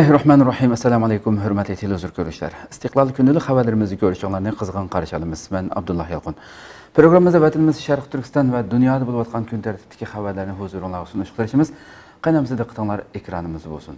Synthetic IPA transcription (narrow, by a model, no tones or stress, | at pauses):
ɛɦɾɑħmɑːnrːɑħimɛsːɛlɑmɑlˠɛjkumɦøɾmɛt̪ʰet̪ʰɪluzuɾkʲʰøɾnyʃlæ̰ɾi̥st̪ɨqlˠɑlˠkʲynɪlyχævæɾlɪɾɪmɪzɪkʲʰøɾyʃɪŋlˠɑɾnɨqʰəzʁɑnqʰɑɾʃɑlˠɨmɨz̥mɛnɑ̰b̚d̪ulˠːɑhjɑlˠqʊn | pʰɾoɡɾɑmːɨzd̪ɑvɛt̪ʰɪnmɪzʃæɾqt̪ʰyɾkʲʰist̪ɑnvɛd̪unjɑːd̪əbolˠɨwɑt̪̚qʰɑnkʲʰynt̪ʰæɾt̪ʰɪ̥t̪ʰːɪ̥kʲʰiχævæɾlɪɾnɪɦozuɾʊŋlˠɑɾʁɑsunuʃqt̪ɨɾɪʃimɪz | qɑjnɛmzɪd̪ɨqʰə̥t̪ʰəŋlˠɑɾekʲʰɾɑ̰nɨmɨzd̪bo̰lˠsun